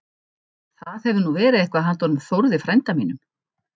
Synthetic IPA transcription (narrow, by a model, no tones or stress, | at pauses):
θaðhɛvðɪnuvɛːɾɪðejhkvaðɦant̪ɔnʏmθowɾðɪfɾajnt̪amiːnʏm